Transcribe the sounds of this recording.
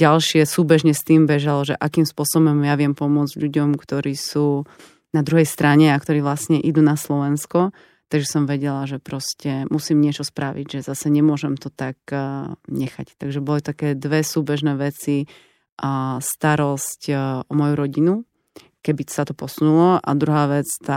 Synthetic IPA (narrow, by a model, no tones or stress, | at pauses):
ɟalʃɪɛsuːbɛʒɲɛst̪iːmbɛʒalɔʒɛ̰ʔakiːmspʊɔsɔbɔmjaʋɪɛmpɔmʊɔd͡zɟʎuɟɔmkt̪ɔɾiːsuː | nad̪ɾuɦɛjst̪ɾaɲɛakt̪ɔɾiːʋlasɲɛʔid̪unaslɔʋɛnskɔ | t̪aɡʒɛsɔmʋɛɟɛlaʒɛpɾɔscɛmʔusiːmɲɪɛt͡ʃɔspɾaʋḭɟʒɛzasɛɲɛmʊɔʒɛmt̪ɔt̪ak | ɲɛxact̪aɡʒɛbɔlit̪akɛːd̪ʋɛsuːbɛʒnɛːʋɛt͡si | st̪aɾɔscʔɔmɔjuɾɔɟinu | kɛbisat̪ɔpɔsunulɔʔa̰d̪ɾuɦaːʋɛt͡st̪a